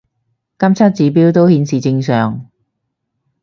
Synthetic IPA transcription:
kɐ˥mt͡sʰɐ˥t̚t͡siː˨˥p̬iː˥wt̪o˥whiː˨˧nsiː˨t͡sɪ˧ŋsœː˨ŋ

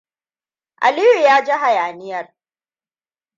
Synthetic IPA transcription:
ʔa̰˨liː˦ju˨jaː˦d͡ʒɐ˦ɦa˨jaː˨nɪ˦jɐ˨r

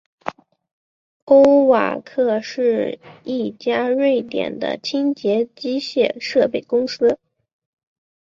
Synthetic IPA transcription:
o˥ʊwa̰˨˩kʰɤ˥˧ʂɻ̩˥˧i˥˩t͡ɕja˥ɻwe˥˩ɪt̪jɛ̰˨˩nd̪ə̰˦t͡ɕʰi˥ŋt͡ɕjɛ˧˥t͡ɕi˥ɕjɛ̰˥˧ʂɤ˥˧pe˥˩ɪkʊ˥ŋsɹ̩˥

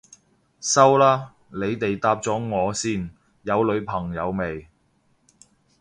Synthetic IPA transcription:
sɐ˥wlaː˥ | le˨˧jt̪e˨jt̪aː˧p̚t͡sɔː˨˥ŋɔː˨˧siː˥˩n | jɐ˨˧wlɵ˨˧ɥpʰɐ˨˩ŋjɐ˨˧wme˨˩j

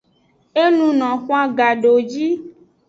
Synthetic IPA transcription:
e˦nũ˦nɔ̃˨xʷa˦ɡa˨ɖo˨d͡ʒi˦

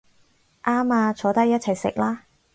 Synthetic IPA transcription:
ʔaː˥maː˧t͡ʃʰɔː˨˥t̪ɐ˥jɐ˥t̚t͡sʰɐ˨jsɪ̰˨k̚laː˥

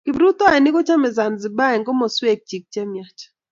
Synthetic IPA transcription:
kɪ˨bɾu˦t̪ɔ˦ɛ˨nɪ˦kɔ˦t͡ʃa˦mɛ˨za˨nzɪ˨ba˦ɛ˨ŋɡɔ˦mɔ˨swe˦k̚t͡ʃi˨k̚t͡ʃɛ˦mja˨t͡ʃḁ

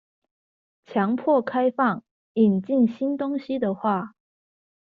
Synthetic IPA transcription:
t͡ɕʰjɑ˧˥ŋpʰwɔ˥˩kʰa˥ɪfɑ˥˩ŋ | i˨˩nt͡ɕi˥˩nɕi˥nt̪ʊ˥ŋɕi˧d̪ə˨xwa˥˩

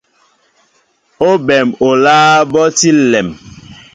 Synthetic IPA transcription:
o˦bɛ˨mo˨laː˦bɔ˦ti˦lɛ˨m

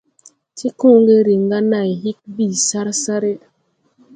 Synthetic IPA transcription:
ti˦ku˦ŋɡe˦ɾi˨ŋɡa˦na˨jhi˦k̚bi˦˨sa˦ɾsa˦ɾe˦

